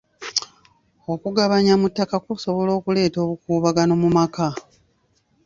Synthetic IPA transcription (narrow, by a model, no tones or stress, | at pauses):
o̞kuɡaβaɲamutːakakuso̞βo̞lo̞ːkule̞ːto̞ːβukuːβaɡano̞mumaka